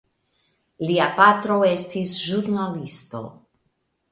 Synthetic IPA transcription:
liapatɾo̞e̞stisʒuɾnalisto̞̰

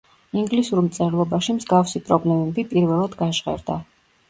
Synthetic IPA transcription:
iŋɡlisuɾmt̪sʼɛɾlˠɔbaʃimzɡafsipʼɾɔblɛmɛbipʼiɾvɛlˠad̪ɡaʒʁɛ̰ɾd̪a

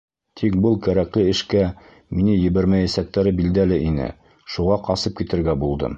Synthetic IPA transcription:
t̪ʰik̚bɤlˠkæɾæklɘɘ̆ʃkæ | minɘjɘ̆βæɾmæjæsæk̚t̪æɾɘbild̪ælɘʔinɘ̰ | ʃuʁɑqɑsɤp̚kit̪ɘ̆ɾɡæbulˠd̪ɤ̰m

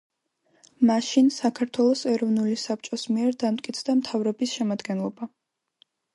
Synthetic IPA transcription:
maʃinsakʰaɾt̪ʰwɛlˠɔsɛɾɔvnulisap̚t͡ʃʼɔsmiɛɾd̪amt̪̚ʼkʼit̪sʰd̪amt̪ʰavɾɔbisʃɛmad̪ɡɛnlˠɔba

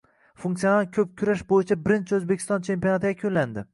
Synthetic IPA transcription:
fuŋkt̪sijonaɾkʲʰɵp̚kʲʰʊɾaʃbojɪt͡ʃʰabɪɾɪnt͡ʃʰɪɵzbekʲʰɪ̥st̪ɒnt͡ʃʰe̞mpijonat̪ʰɪjʲakʲʰonland̪ɪ

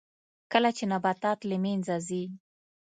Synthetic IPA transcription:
kəlat͡ʃenabat̪ɑt̪lɪmenzazi

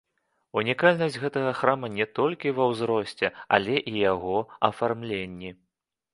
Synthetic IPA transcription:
unʲikalʲnɐsʲd͡zʲɣɛt̪ɐɣɐxɾamɐnʲɛt̪ɔlʲkʲivɐwzɾɔsʲt͡sʲɛa̰lʲɛʔijaɣɔɐ̰farmlʲenʲːi

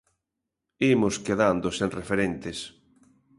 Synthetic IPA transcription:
imʊskeðand̪osenrefeɾent̪es

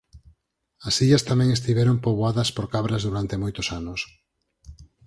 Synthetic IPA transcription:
ɐsiʎɐst̪amɛ̃ŋest̪iβɛɾompoβoaðɐspoɾkaβɾazðuɾant̪emojt̪osanos

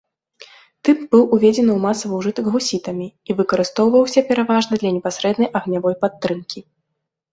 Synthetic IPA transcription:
t̪ɨpbɨwʔuvʲed͡zʲɛnɨwmasɐvɐwʐɨt̪ɐɡɣusʲit̪ɐmʲiivɨkɐɾɨst̪ɔwvɐwsʲɐpʲɛɾavaʐnɐd̪lʲɐnʲɛpasɾɛd̪nɐjʔɐɣnʲavɔjpat̪ːɾɨmkʲi

